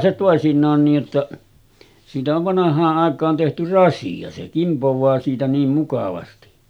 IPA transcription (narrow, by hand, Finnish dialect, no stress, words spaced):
se toˑesinˑɑːn niːj jotːɑ siːtæ oʋ ʋɑnɑhˑɑːʔ ʔɑˑekˑɑːn tehty rɑsiɑ se kimpoʋˑɑː siːtæ niːm mukɑʋɑsti